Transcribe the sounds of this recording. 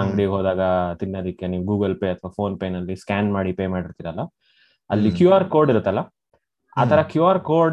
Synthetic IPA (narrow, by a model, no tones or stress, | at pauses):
ɐŋɡɽijɡoːd̪aːɡɐt̪inːoːd̪ikːeniːʋuɡuːɡɐlpeːɐt̪ʰʋapʰoːnpeːnɐlːiskaːnmaːɽipeːmaːɽiɾt̪iɾɐlːɐ | ɐlːikjuːaːɾko̞ːɾɖiɾut̪ːɐlːɐ | a̰ːt̪ʰɐɾɐkjuːaːɾkoːɾ